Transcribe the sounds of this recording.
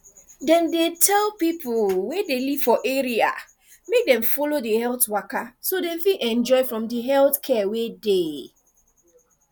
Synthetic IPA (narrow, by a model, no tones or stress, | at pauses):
dɛ̃ndetʰɛlpipʊlwɛdeliv̥fɔʔɛɹia̰ | mek̚dɛ̃ɱfɔlodəhɛltwakasodẽfiʔɛ̃nd͡ʒɔɪfɹɔ̃mdəɦɛlθkʰɛwede